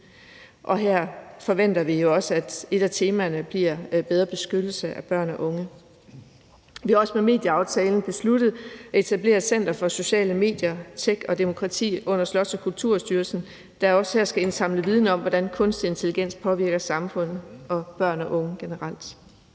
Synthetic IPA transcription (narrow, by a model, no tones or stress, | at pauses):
ʔɒ̽ɦæɐ̰fɒ̽ʋen̰d̥ɐʋijo̝ɒ̽səæd̥e̝d̥æt͡sʰe̝ːmænəb̥liɐ̰b̥eð̞ˠʁɐb̥e̝sɡ̥ød̥l̩səʔæb̥ɶɐ̰nɒʔɔ̽ŋə | ʋihɑ̈ɒ̽səmeme̝̰ːd̥jəɑ̈ʊt͡sʰɛːln̩b̥e̝sluɾ̥ð̞̩ˠɒe̝t͡sʰæb̥le̝̰ːɐðˠsen̰d̥ɐfɒ̽so̝ɕɛ̰ːləme̝̰ːd̥jɐt͡sʰeɡ̥ɒ̽d̥e̝mo̝kʰʁɑ̈t͡sʰḭːɔ̽n̰ɐslɒ̽səkʰult͡sʰuɐ̰sd̥yːɐsn̩ | d̥æ̈ɒ̽shæɐ̰sɡ̥æe̝nsɑ̈m̰ləʋið̞ˠnəɒ̽m̰ʋɒd̥ænkʰɔ̽nsd̥ie̝nt͡sʰe̝liɡ̥en̰spʰɒ̽ʋiɐɡ̥ɐsɑ̈mfɔ̽n̰ð̩ˠɒ̽b̥ɶɐ̰nɒʔɔ̽ŋəɡ̥e̝nəʁɑl̰d̥